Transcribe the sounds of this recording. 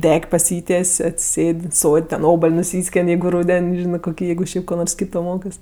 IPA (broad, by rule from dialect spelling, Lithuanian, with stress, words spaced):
ˈdʲɛkʲ pɐˈsʲiːtʲiɛsʲ ɐtʲsʲɪˈsʲeːtʲ ˈsoːtʲ tʲɛn ˈoːbɐlʲ nʊˈsʲiːsʲkʲeːnʲ ˈjɛɪɡʊ ˈruːdʲɛnʲ ˈʒʲɪnɜ koːˈkʲiː ˈjɛɪɡʊ ˈʃʲɛɪp koː ˈnoːrs ˈkʲiːtoː ˈmoːkɜs